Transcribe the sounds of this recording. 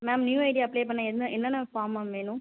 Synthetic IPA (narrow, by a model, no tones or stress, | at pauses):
maːmnjuːɐɪʈɪjaːɐpːɭeːp̬ɐɳːãɛnɯʔɛnːɐnːɐfaːɾmaʋeːnʊ̃